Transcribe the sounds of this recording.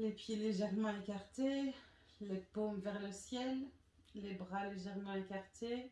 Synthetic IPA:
lepjeleʒɛʁmɑ̃ekaʁt̪e | lepomvɛʁləsjɛl | lebʁaleʒɛʁmɑ̃ekaʁt̪e

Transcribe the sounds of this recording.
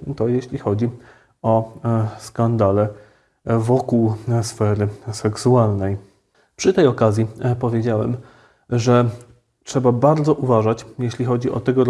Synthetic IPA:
t̪ɔjeɕlʲixɔd͡ʑi | ɔskand̪alɛ | vɔkuwsfɛɾɘsɛksualnɛj | pʂɘt̪ɛjɔkazʲjipɔvʲjed͡ʑawɛ̰m | ʐɛ | tʂɛbabaɾd̪zɔʔuvaʐat͡ɕjeɕlʲixɔd͡ʑiʔɔ̰t̪ɛɡɔɾ

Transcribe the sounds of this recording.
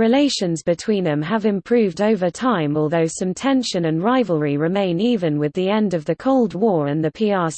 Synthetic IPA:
ɹɪleɪʃə̃nzbɪtʰw̥ĩːnðə̃məvɪ̃mpʰɹ̥ʉːvdəʊvətʰãɪ̃mɔːlˠðəʊsʌ̃mtʰɛ̃nʃə̃nə̃nɹaɪvəl̩ˠɹiɹɪmẽɪ̃niːvə̃nwɪðiɛ̃ndəvðəkʰʌʊlˠd̚wɔːɹə̃nðəpʰiɑ

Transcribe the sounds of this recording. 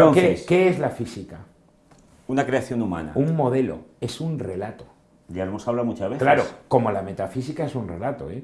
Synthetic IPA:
okeiske̞ezlafisika | unakɾeaθjonumã̰na̰uŋmo̞ð̞e̞lo̞̰e̞sunre̞lat̪o̞̥ | ʎaemosaβlamut͡ʃazβekllaɾoko̞mo̞lame̞t̪afisikae̞sunre̞lat̪o̞e̞

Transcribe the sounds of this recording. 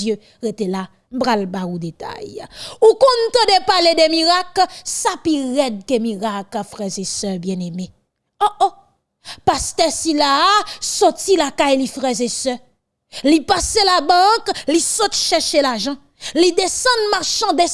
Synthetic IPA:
jø | ʁet̪ela | m̩pʁalbaud̪et̪a̰jukɔ̃n̩t̪ɑ̃d̪epaled̪ɛmiʁaklsapiʁɛd̪̚kemiʁaklfʁɛzesœbjɛ̃neme | oʔo | past̪ɛsilasɔtilakajlifʁɛʁzesœ | lipaselabʌ̃klisɔt̪ʃɛʃelaʒɑ̃ | lid̪esɑ̃nmaʁʃɑ̃d̪e

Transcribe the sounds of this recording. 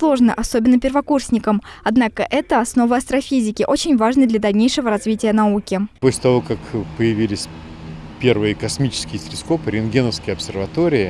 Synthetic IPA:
slˠo̞ʐnəʔɐsobʲɪnːəpʲɪrvɐkursʲnʲɪkəmɐd̪nakəʔɛt̪əɐsno̞vəɐst̪ɾɐfʲizʲɪkʲɪʔo̞t͡ɕɪnʲvaʐnɨjd̪lʲɐd̪ɐlʲnʲejʂɨvəɾɐzvʲitʲɪjənɐukʲɪposʲlʲɪt̪ɐvo̞kakpəjɪvʲilʲɪsʲ | pʲe̞rvɨjəkɐsmʲit͡ɕɪ̥skʲɪsʲɾʲɪskopɨɾʲɪnɡʲenəfskʲɪjəɐpsʲɪrvɐt̪oɾʲɪɪ

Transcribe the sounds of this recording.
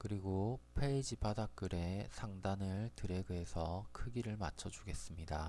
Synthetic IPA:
kɯɾiɡopʰed͡ʑipʰadak̚k͈ɯɾe̞sʰaŋdanɯɭtɯɾe̞ɡɯesʰʌkʰɯɡiɾɯɭma̰t͡ɕʰʌd͡ʑuɡe̞s͈ɯmɲida

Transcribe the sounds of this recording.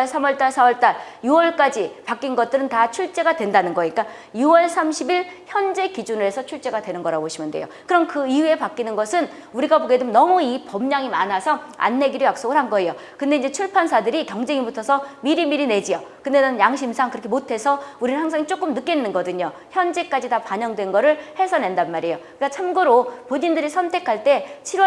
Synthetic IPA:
ɭsʰamwʌɭt͈aɭsʰawʌɭt͈aɭjuwʌɭk͈ad͡ʑipak͈inɡʌt̚t͈ɯɾɯntat͡ɕʰuɭt͡ɕ͈e̞ɡadwe̞ndanɯnɡʌɲik͈a | juwʌɭsʰamɕʰibiɭçjʌnd͡ʑe̞kid͡ʑunɯɾesʰʌt͡ɕʰuɭt͡ɕ͈e̞ɡadwe̞nɯnɡʌɾaboɕʰimɯnde̞jo̰ | kɯɾʌnkɯiue̞pak͈inɯnɡʌsʰɯn | uɾiɡaboɡe̞dɯmnʌmuipʌmɲaŋimanasʰʌa̰nːe̞ɡiɾojak̚s͈oɡɯɭɦhanɡʌe̞jo | kɯnde̞ind͡ʑe̞t͡ɕʰuɭpʰansʰadɯɾikjʌŋd͡ʑe̞ŋibutʰʌsʰʌmiɾimiɾine̞d͡ʑijʌkɯndenanɯnjaŋɕʰimsʰaŋkɯɾʌkʰemotʰe̞sʰʌuɾinɯnhaŋsʰaŋit͡ɕ͈ok͈ɯmnɯk͈einːɯnɡʌdɯɲoçjʌnd͡ʑe̞k͈ad͡ʑitapaɲʌŋdwe̞nɡʌɾɯɭhe̞sʰʌne̞ndanmaɾejokɯik͈at͡ɕʰamɡɯɾopoɲindɯɾisʰʌntʰe̞kʰaɭt͈e̞t͡ɕʰiɾw

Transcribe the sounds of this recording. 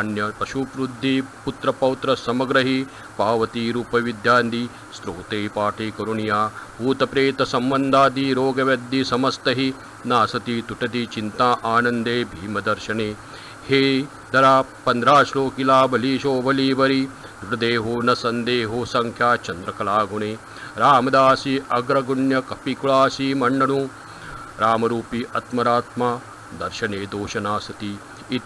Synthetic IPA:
njɐpɐʃupɾud̪ʱːiput̪ɾɐpɐwt̪ɾɐsɐmɐɡɾɐɦi | paːʋɐt̪iːɾuːpɐʋid̪jaːnd̪i | st̪ɾoːt̪eːpaːʈeːkɐɾuɳijaːbuːt̪ɐpɾeːt̪ɐsɐmʋɐnd̪aːd̪iːɾoːɡɐʋɐd̪ːisɐmɐst̪ɐɦi | naːsɐt̪it̪uʈɐd̪it͡ʃint̪aːʔaːnɐnd̪eːbʱiːmɐd̪ɐɾʃɐɳeː | heː | d̪ɐɾaːpɐnd̪ɾaːʃloːkilaːbʱɐliːʃoːbɐliːʋɐɾi | d̪uʈɐd̪eːɦoːnɐsɐnd̪eːɦoːsɐŋkʰjaːt͡ʃɐnd̪ɾɐkɐlaːɡuɳeː | ɾaːmɐd̪aːsiɐɡɾɐɡunjɐkɐpikuɭaːsiːmɐɳɖɐɳuː | ɾaːmɐɾuːpiʔɐt̪mɐɾaːt̪maː | d̪ɐɾʃɐneːd̪oːʃɐnaːsɐt̪iː

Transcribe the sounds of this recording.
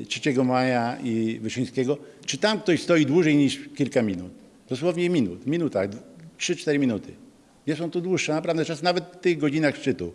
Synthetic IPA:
tʂɛt͡ɕɛɡɔmajaivɘʂɪj̃skʲɛɡɔ | t͡ʂɘt̪amkt̪ɔɕst̪ɔjid̪wuʐɛjɲiʂkʲilkamʲinṵt̪ | d̪ɔswɔvɲɛmʲinṵt̪mʲinut̪aɣd̪tʂɘt͡ʂt̪ɛɾɘmʲinut̪ʰɘ | ɲɛsɔ̃w̃t̪ud̪wuʂːɛnapɾavnɛt͡ʂasnavɛt̪ft̪ɪɣɡɔd͡ʑinaxʂt͡ʂɘt̪u

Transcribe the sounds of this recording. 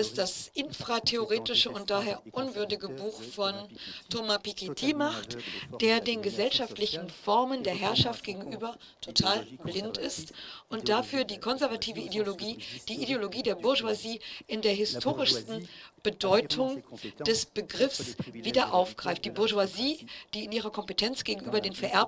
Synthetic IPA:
ɪstd̥asʔɪnfʁ̥atʰeoʁeːtɪʃəʊnt̚d̥aːɦeːɐʔʊnvʏɐdɪɡəbuːxfɔntʰoːmapikʰitʰiːmaχtd̥eːɐdeːnɡəzɛlʃaftlɪçn̩fɔɐməndeːɐɦɛɐʃaft̚ɡ̥eːɡŋ̩ʔyːbɐ | tʰotʰaːlblɪntɪstʔʊnt̚d̥afyːɐdiːkʰɔnzɛɐvatʰiːvəideoloɡiːd̥iːʔideoloɡiːdeːɐbʊɐʒwaziːʔɪndeːɐɦɪstʰoːʁ̞ɪʃstn̩b̥ədɔʏtʰʊŋd̥ɛsb̥əɡʁɪfsv̥iːdɐʔaʊfɡ̥ʁaɪft̚d̥iːbʊɐʒwaziːd̥iːɪnʔiːʁɐkʰɔmpətʰɛnt͡sɡ̥eːɡŋ̩ʔyːbɐdeːnfɛɐʔɛɐ

